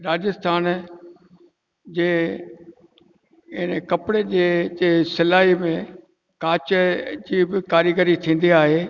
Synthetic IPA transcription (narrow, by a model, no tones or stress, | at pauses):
ɾaːd͡ʑɪst̪ʰaːn | d͡ʑeː | ɪnəkɐpɪɽed͡ʑeːd͡ʑeːsɪlaːɦimẽ | kaːt͡ɕəd͡ʑiːbɪkaːɾjəɡəɾit̪ʰĩːn̆d̪iaːɦeː